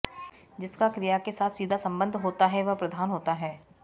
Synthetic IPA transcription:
d͡ʒɪskakɾijakesaːt̪ʰsiːd̪ʱasɐ̃mbə̃nd̪ʱɦoːt̪aɦɛʋɐpɾɐd̪ʱaːnɦoːt̪aɦɛː

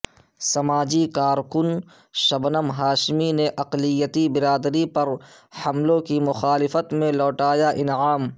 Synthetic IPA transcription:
sɐmaːd͡ʒikaːɾkʊn | ʃɐbnəmɦaːʃmineʔɐqlɪjːət̪ibɪɾaːd̪ɾipɐɾhɐmlõkimʊxaːlɪfət̪mẽlɔːʈaːjaʔɪnaːm

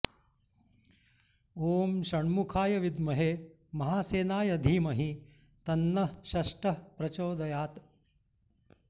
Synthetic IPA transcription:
oːmʃɐɳmukʰaːjɐʋid̪mɐɦeː | mɐɦaːseːnaːjɐd̪ʱiːmɐɦi | t̪ɐnːɐʃɐʂʈɐpɾɐt͡ʃoːd̪ɐjaːt̪

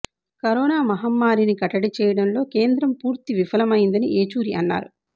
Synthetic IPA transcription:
kɐɾɔːnaːmɐɦɐmːaːɾinikɐʈɐɽit͡ʃɛːjɐɽɐnlo̞ːke̞ːnd̪ɾɐmpuːɾt̪iʋifɐlɐmɐjind̪ɐniʔeːt͡ʃuːɾiɐnːa̰ːɾu

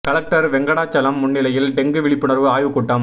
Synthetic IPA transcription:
kɐlɐk̚ʈɐɾʋɛŋɡɐɽaːt͡ʃːɐlɐmːʊɳːɪlɐjɪlɖɛŋɡɯʋɪɭɪpːɯɳɐɾʋɯaːjʋɯkːʊʈːɐm

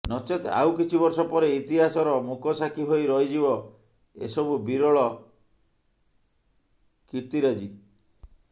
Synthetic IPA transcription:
nɔt͡ʃet̪a̰wkit͡ʃʰibɔɾsɔpɔɾeit̪iɦasɔɾɔmukɔsakʰiɦoiɾɔɦid͡ʒibɔ | ḛsɔbubiɾɔɭɔ | kiɾt̪iɾad͡ʒi

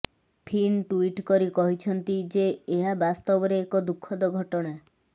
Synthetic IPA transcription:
pʰinʈuiʈkɔɾikɔɦit͡ʃʰɔnt̪id͡ʒeːɦabast̪ɔbɔɾeːkɔd̪ukʰːɔd̪ɔɡʱɔʈɔɽ̃a

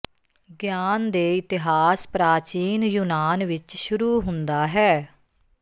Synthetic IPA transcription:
ɡjaːnd̪eːɪt̪ɪɦaːspɾaːt͡ʃiːnjuːnaːnʋɪt͡ʃʃʊɾuːɦʊ̃nd̪aːɦɛː

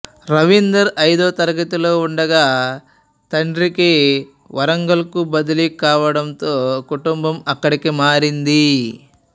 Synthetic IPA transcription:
ɾɐʋind̪ɐɾɐjd̪ɔːt̪ɐɾɐɡɐt̪uloːuɳɖɐɡaː | t̪ɐɳɖɾiki | ʋɐɾɐŋɡɐlɐkubɐd̪ɐlikaːʋɐɽɐnt̪oːkuʈumbɐmɐkːɐɽikimaːɾind̪i

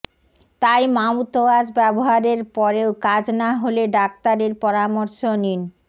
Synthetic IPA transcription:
t̪ajmawt̪oaʃbɛboɦaɾeɾpɔɾeokad͡ʑnaɦoleɖak̚t̪aɾeɾpɔɾamoɾʃonin

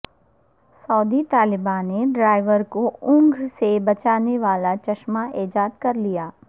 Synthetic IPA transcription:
sɔːd̪it̪aːlɪbãːneɖɾaːɪʋəɾkoʊ̃ŋɡsebɐt͡ʃaːneʋaːlat͡ʃɐʃmaʔeːd͡ʒaːd̪kɐɾlijaː

